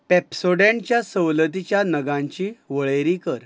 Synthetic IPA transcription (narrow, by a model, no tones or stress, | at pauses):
pepsoɽjãɲt͡ɕjasəwlət̪it͡ɕjanəɡãɲt͡ɕiːʋəɭeɾikəɾ